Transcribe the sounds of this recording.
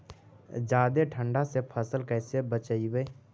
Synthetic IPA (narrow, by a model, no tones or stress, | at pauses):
d͡ʒaːd̪eʈʰə̃ɳɖasepʰəsəlkɛːsebət͡ʃəiweː